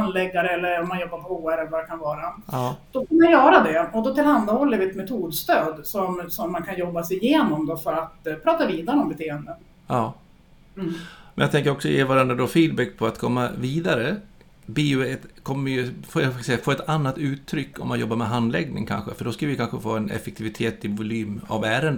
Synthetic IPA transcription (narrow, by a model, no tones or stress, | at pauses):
and̪lɛɡːaɾəɛlːəɾɔmːanjɔbːaɾpʰɔhoːæɾɛlːəvad̪ɛkʰanvɑːɾaɑːd̪̥ɔkanːaɾjœːɾad̪ɛɔd̪ɔt̪ʰɪlhand̪ahɔlːəɾvɪɛt̪mɛt̪ʰuːd̪st̪øːd̪sɔmsɔmːankʰanjɔbːasɛɪjeːnɔmd̪ɔfœɾat̪pʰɾɑːt̪aviːd̪aɾəɔmbɛt̪ʰeːənd̪ən | ɑː | mɛnjaɡt̪ɛŋkəɾɔksɔjḛːvaɾanɾad̪ɔfiːd̪̚bɛkːpʰɔat̪kʰɔmːaviːd̪aɾə | biːʊɛt̪kʰɔmːəjɵfassɛjafoːɾɛt̪anːat̪ʉ̟ːt̪ʰːɾʏkːɔmːanjɔ̰bːaɾmɛɦand̪lɛɡnɪ̰ŋkʰa̰nɧə̰fœɖɔskavɪkʰanɧəfoːɛnɛ̰fɛk̚t̪ʰɪvɪt̪ʰeːt̪ɪvʊlyːma̰væːɾənd̪